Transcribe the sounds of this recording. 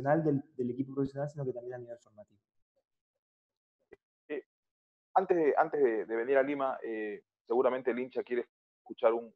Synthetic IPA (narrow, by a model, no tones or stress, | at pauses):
onald̪ed̪elekip̬opɾofesjo̞nalsino̞ket̪ambje̞naniβelfo̞ɾmat̪iβo | e | ant̪ezðeʔa̰nt̪ezðeðeβe̞niɾalimaʔe | se̞ɣuɾamẽnt̪elint͡ʃakje̞ɾe | eskut͡ʃaɾun